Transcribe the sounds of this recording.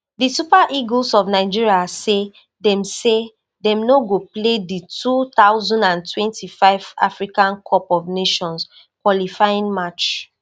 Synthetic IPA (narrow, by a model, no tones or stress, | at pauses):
disupaʔiɡlsɔvnaɪd͡ʒiɹiase | dɛ̃mse | dɛ̃mnoɡopleditʰut̪aʊzɔ̃ndãntwɛ̃ntʰifaɪva̰fɹikãnkʰɔpɔvneʃɔ̃ns | kwɔlifajĩŋmat͡ʃ